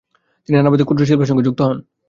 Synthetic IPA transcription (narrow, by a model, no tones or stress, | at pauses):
t̪iniɾanabod̪ikud̪ɾoʃ̬ilbʱaʃ̬oŋɡed͡ʑuk̚t̪oɦɔn